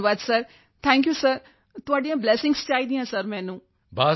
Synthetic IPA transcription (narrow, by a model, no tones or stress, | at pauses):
ʋaːd̪səɾ | t̪ʰɛ̃ːŋkjusəɾ | t̪ʊʋaːɖĩãbleːsɪ̃ŋɡst͡ʃaːid̪ĩɦãsəɾmɛ̃ːnũː | baː